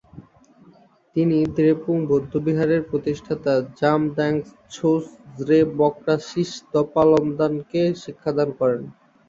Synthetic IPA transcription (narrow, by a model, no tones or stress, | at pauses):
t̪inid̪ɾepuŋbʱod̪ʱːobiɦaɾeɾpɾot̪iʃʈʰat̪ad͡ʑamɖɛŋs | t͡ɕʰoszɾebɔkɾaʃiʃd̪ɔpalɔmd̪ankeʃikʰːad̪ankɔɾen